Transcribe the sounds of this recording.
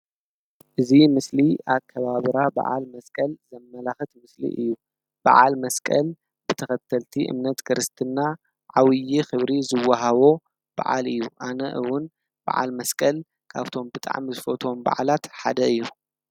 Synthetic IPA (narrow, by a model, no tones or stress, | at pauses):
ʔɨzimɨsliʔakʰːɐβaβɨɾaba̰ʕa̰lmɐskʼɐlzɐmːɐlaxɨt̪mɨslḭʔɨ̰jːu | b̥a̰ʕa̰lmɐskʼɐl | bɨt̪ʰɐxɐt̪ʰːɐlt̪ʰiʔɨ̰mnɐt̪kʰɨɾɨst̪ʰɨnːa | ʕawɨjixɨβɾizɨwːaɦaβo̞ | b̥a̰ʕa̰lɨjːuʔanɐʔɨwʊn | b̥a̰ʕa̰lmɐskʼɐl | kʰa̰βt̪ʰo̞mbɨt̪ʼa̰ʕmizɨfot̪ʰo̞mba̰ʕalat̪ħa̰d̪ɐɨjːu